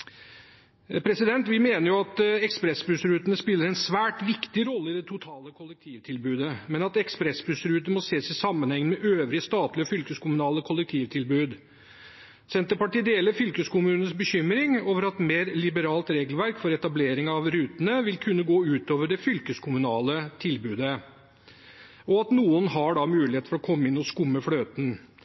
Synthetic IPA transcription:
pʰɾɛsɪd̪ɛnt̪ʋɪmeːnəɾjʊɑt̪ɛkspɾɛsbɾʉsɾʉːt̪ənəspɪlːəɾɛnsʋæːʈʋɪkt̪ɪɾɔlːəɪd̪ɛt̪ʰʊt̪ʰɑːləkʰʊlːɛk̚t̪ʰiːʋt̪ʰɪlbʉːd̪əmɛnɑt̪ɛkspɾɛsbʉsɾʉːt̪əəmɔseːsɪsɑmːənhɛŋːəmɛʔøːʋɾɪəst̪ɑːt̪lɪɔfʏlkəskʰʊmʉnɑːləkʰʊlːɛk̚t̪ʰiːʋt̪ʰɪlbʉːd̪ | sɛnt̪əɾpɑʈiːd̪eːləɾfʏlkəskʊmʉːnənsbəçʏmɾɪŋoːʋəɾɑt̪meːɾlɪbəɾɑːlt̪ɾeːɡəlʋæɾkfɔɾɛt̪ɑbleːɾɪŋɑʋɾʉːt̪ənəʋɪlkʰʉnːəɡoːʉːt̪oːʋəɖɛfʏlkəskʰʊmʉnɑːlət̪ʰɪlbʉːd̪ə | ɔɑt̪nuːənhɑɖɑmʉːlɪheːt̪fɔɾɔkʰɔmːəɪnːɔskʊmːəfløːt̪n

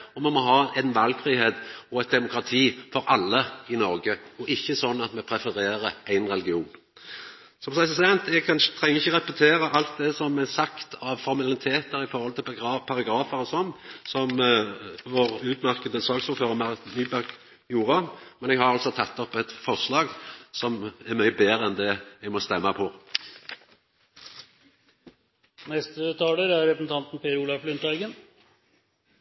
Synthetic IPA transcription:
ɔmɛmɔɦɑːæɪnʋɑlɡfɾiːheːt̪ɔɛt̪̚d̪ɛmʊkɾɑt̪ʰiːfɔɾʔɑlːəɪnɔɾɡəɔʔɪçːəsɔnːɑt̪mɛpʰɾɛfəɾeːɾəæɪnɾɛlɡɪuːn | sɔmpsæɪssɛnt̪ɛɡkʰɑnə̥t̪ʰʁɛŋəɪçːəɾɛpɛt̪ʰeːɾəʔɑlt̪̚d̪ɛsɔmɛsɑkt̪ʰɑʋfɔɾmɛlnɪt̪ʰeːt̪əɾɪfɔɾhɔlt̪ʰɪlɑpʰɑɾɑɡɾɑːfəɾsɔmsɔm | ʋoːɾʉːt̪mæʁkəd̪əsɑːksfɔføːʁəmænyːbæʁk | juːɾəmɛnɛɡhɑɾɑlsɔt̪ʰɑt̪ːɔpːɛt̪fɔʁʂlɑːɡsɔmæɾmæɪbeːɾəɛnd̪ɛɛɡmɔst̪ɛmːɑpʰɔ | nɛst̪ət̪ʰɑːləɾæɾɾɛpɾəsn̩t̪ʰɑnt̪n̩pʰeːəɾuːlɑflʏnt̪æɪɡən

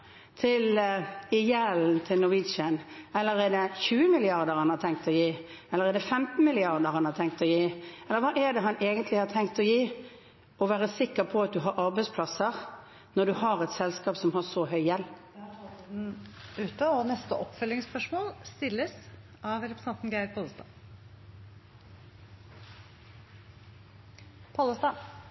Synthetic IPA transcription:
t̪ʰɪlɪjæːln̩t̪ʰɪlnɔʋɪʃənɛlːəɾɛd̪ɛçʉːəmɪlɪɑʁd̪əɾhɑnhɑɾt̪ʰɛŋk̚t̪ɔjiː | ɛlːəʁɛd̪ɛfɛmt̪n̩mɪlɪɑʁd̪əɾhɑnɑt̪ʰɛŋk̚t̪ɔjiːɛlːəɾʋɑːʔɛd̪ɛɦɑneːɡənt̪lɪhɑt̪ʰɛŋk̚t̪ɔjiː | ɔʋæːʁəsɪkːəɾpʰɔɑt̪̚d̪ʉɦɑɾʔɑɾbɛɪspʰlɑsəʁ | nɔd̪ʉɦɑɾɛt̪sɛlskɑːpsɔmhɑʂɔɦœʏjɛlː | ʉːt̪əɔnɛst̪əʔɔpfœlːɪŋspœʂmoːlst̪ɪlːəs | ʔɑʋɾɛpɾsɛnt̪n̩ɡæɪɾpʰɑːlˠst̪ɑ̰ː | pʰɑːləst̪ɑ

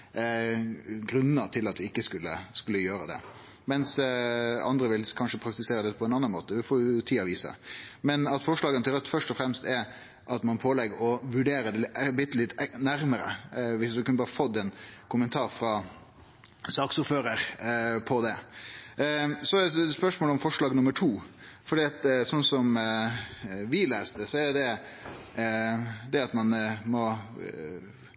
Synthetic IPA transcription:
ɡɾʉnːət̪ʰɪlɑt̪ʋɪɪkːəskʉlːə̰skʉlːəjøːɾəd̪ɛ̰ | mɛns | ɑ̰nd̪ɾəʋɪlkʰɑnʂəpʰɾɑk̚t̪ɪseːɾəd̪ɛpʰɔɛnɑnːɑnmo̰ːt̪əʋɪfoːɾjʊʊt̪ʰiːɑʋiːsə̰mɛnɑt̪fɔʂɭɑːɡənəɪlɾɛt̪ːfœʂʈɔfɾɛmst̪ɛɾ | ʔɑt̪mɑnpʰoːlɛɡəɔʋʉɖeːɾəd̪ɛlbɪt̪ːəlɪt̪ːnæɾməɾə̰ʋɪsd̪ʉkʉnəbɑːɾəfɔd̪ːɛnkʰʊmənt̪ʰɑːɾfɾɑ | sɑːksʊɾføːɾəɾpʰɔd̪ɛ | sɔspœʂmoːlɔmfɔʂɭɑːɡnʊmːəʈʰuːfɔɖiːɑt̪sɔnsɔm | ʋɪleːst̪əsɔæɾd̪ɛ | d̪ɛɑt̪mɑnmɔ

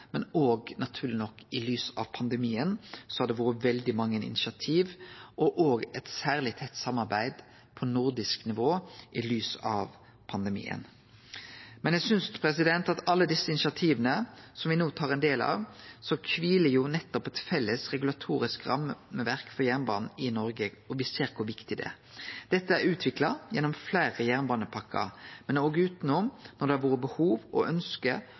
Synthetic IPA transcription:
mɛnoːɡnɑt̪ʰʉːʁlɪnɔkːɪlyːsɑ̰ʋpʰɑnd̪əmiːənsɔhɑd̪ɛʋuːɾəʋɛld̪ɪmɑŋːənɪ̰nɪʃɑt̪ʰiːʋʔɔʔoːɡɛt̪sæːʁlɪt̪ʰɛt̪ːsɑmːɑɾbæɪd̪ | pʰɔnʊɾd̪ɪsknɪʋoːʔɪlyːsɑ̰ʋ | pʰɑnd̪əmḭːə̰n | mɛnjæɡsʏnspʰɾɛsɪd̪ɛnt̪ɑt̪ɑlːəd̪ɪsːəɪnɪʃɑt̪ʰiːʋənəsɔmʋɪnoːt̪ʰɑːʁɛnd̪eːlɑ̰ʋsɔkʰʋiːləjʊnɛt̪ːɔpɛt̪fɛlːəsɾɛɡʉlɑt̪ʰuːɾɪskɾɑ̰mːməʋæɾkfɔɾjæʁnbɑ̰ːnn̩ɪnɔɾɡəɔʋɪseːɾkʰʊɾʋɪkt̪ɪd̪ɛ̰ | d̪̥ɛt̪ːəæɾʉːt̪ʰʋɪklɑjɛnːɔmflæɪɾəjæʁnbɑːnəpʰɑkʰːɑ̰mɛnoːɡəʉːt̪nʊmnɔɾd̪ɛæɾʋoːɾəbəhuːʋʔɔ̰ʔœnskə

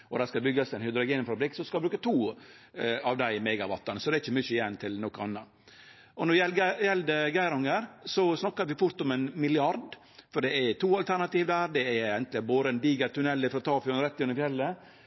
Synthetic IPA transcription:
ʔɔd̪æɾskɑbʏɡɑsɛnhʏd̪ɾʊɡeːnfɾɑbɾɪkːsɔmskɑlbɾʉːkət̪ʰuː | ɑʋd̪æɪmeːɡɑʋɑt̪ːɑnəsɔd̪ɛɪçːəmʏçəjɛnt̪ʰɪlnɔkːɑnːɑ | ʔɔnɔɾʋɛjɛld̪əɡæɪɾɔŋəɾsɔsnɑkːɑɾʋɪfʊɾt̪ɔmɛnmɪlɪɑɾd̪ | fɔɖɛɛt̪ʰuːɑlt̪ʰæɾnɑt̪iːʋd̪æːɾd̪ɛæɛnt̪lɪboːd̪əɛnd̪iːɡɑɾt̪ʰʉnɛlːəfɾɔt̪ʰɑːfʉɛnɾɛt̪ːɪʉnəɪfjɛlːə

